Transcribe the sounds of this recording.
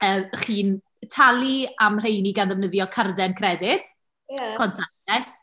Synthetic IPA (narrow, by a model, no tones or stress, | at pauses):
əːχiːn | tʰalˠiamr̥ejniɡanðəvnəðjɔkʰardɛnkʰrɛdɪd̥ʰ | ɔntʰa | ɛs